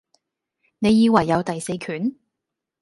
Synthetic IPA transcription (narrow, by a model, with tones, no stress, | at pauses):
ne˨˧jːiː˧wɐ˨˩jːɐ˨˧wt̪ɐ˨jse˧jkʰyː˨˥n